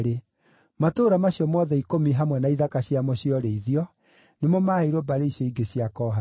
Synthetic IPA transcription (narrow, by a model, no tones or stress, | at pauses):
ɾe | matoːɾamaɕjɔmɔðɛikomiɦamwɛnaiðakaɕjamɔɕjɔɾeiðiɔ | nemɔmaheɾobaɾeiɕɔiɡeɕiakɔːɦa